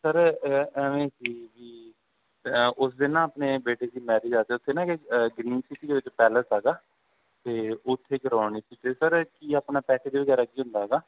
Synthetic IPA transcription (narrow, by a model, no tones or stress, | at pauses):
səɾɛːʋẽːsiːʋiː | ʊsd̪ɪnãːəpneːbeːʈeːd̪iːmɛːɾiːd͡ʒaːt̪eːʊt̪ʰːeːnãːkeɡɾiːnsɪʈiːd̪eːʋɪt͡ʃpɛːləsɦɛːɡaː | t̪eːʊt̪ʰːeːkəɾaːniːsiːt̪eːsəɾkiːaːpnaːpɛːʈʰeːd̪eːʋəɡɛːɾaːkiːɦʊ̃nd̪aːɦɛːɡaː